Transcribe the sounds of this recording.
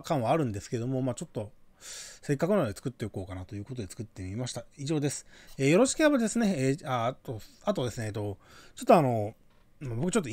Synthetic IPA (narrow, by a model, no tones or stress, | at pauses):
kãɰ̃βaːɾɯ̟̃nd̪e̞sɨ̥ke̞ed̪omo̞mat͡ɕo̞t̪ːo̞ | se̞kːakɯ̟nad̪et͡sɨ̥kɯ̟t̪ːe̞oko̞ːkanat̪o̞jɯ̟ːko̞t̪̬o̞d̪e̞t͡sɨ̥kɯ̟t̪ːe̞mʲimaɕi̥t̪aiʑo̞ːd̪e̞sɨ̥eːjo̞ɾo̞ɕi̥kʲihabad̪e̞sɨne̞at̪oat̪o̞d̪e̞sɨneːt̪ːot͡ɕo̞t̪ːoano̞ | mmabo̞kɯ̟t͡ɕo̞t̪ːo